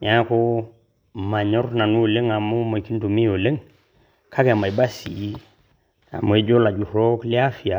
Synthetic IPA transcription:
ɲa˦ko˦ | ma˨ɲo˦ɾna˨nu˦˨le˦ŋa˨mo˦mo˨ki˦ntu˨mi˦jo˨le˦ŋ | kʰa˦ke˨a˨ma˨ba˦sḭ˨˦ | a̰˨mo˨e˦ɟo˦la˨ɟu˨o˦kli˦a˦fi˨a˨

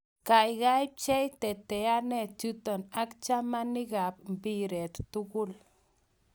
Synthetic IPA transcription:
ka˨jɣa˦jp̚t͡ʃɛ˦jt̪ɛ˨t̪ɛ˨a˦nɛ˦˨t͡ʃu˦t̪ɔ˨na˦kt͡ʃa˦ma˦ni˦ɣa˨p̚mbi˦ɾɛ˨t̪ːʊɣʊ˦l

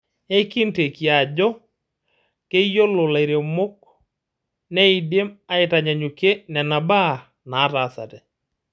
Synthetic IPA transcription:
e˦ki˦nte˨ki˨a˨d͡ʒɔ˦ | ke˦jo˦lo˨la˨i˨ɾe˨mo˦k̚ | ne˦i˨de˦ma˦ɪ˨ta˨ɲa˨ɲu˨ke˦nɛ˨na˨ba˦˨ | naː˨˦ta˨sa̰˨tɛ˨

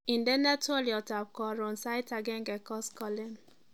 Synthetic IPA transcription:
ĩ˨ndɛ˦na˦tɔ˦ljɔ˨ta˨b̚kɔ˨ɾõ˨nsa˦jta˨ɡe˦ŋ˦ɡɛ˨kɔ˦skɔ˦le˦n

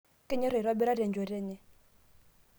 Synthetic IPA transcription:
kɪ˦ɲɛ˦ɾe˨ɾwa˦bɛ˦ɾa˦ɾɛ˨nd͡ʒɔ˨ɾɛ˦ɲɛ˦

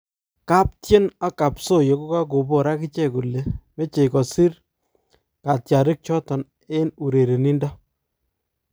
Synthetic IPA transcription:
ka˦p̚tje˦na˦ka˨pso˦˨jɔ˨ko˦ka˦k̬o˨bo˨ɾa˦kɪ˦t͡ʃɛ˦˨ku˨le˨me˦t͡ʃe˨jkɔ˨si˦r | ka˨tja˨ɾɪ˦k̚t͡ʃɔ˦tɔ˨n | e˦nu˨ɾe˨ɾe˨ni˦nda˦

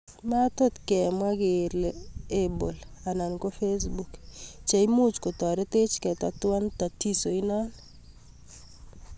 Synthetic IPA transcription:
ma˦to˦t̪kɛ˨mwa˦ɡe˨ɾlɛe˦bo˨la˨na˨nko˦fe˦sbu˨kt͡ʃa˨i˦mu˦t͡ʃko˨tɔ˨ɾɛ˦te˦t͡ʃkɛ˨ta˨twa˦nta˨ti˦so˨i˦nɔ˦n

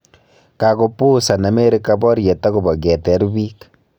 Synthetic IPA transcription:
ka˨ko˨pu˦sa˨na˨me˦ɾe˦ka˦bɔ˦ɾje˨ta˦ku˨bɔ˨ke˨tɛ˦ɾβi˦k

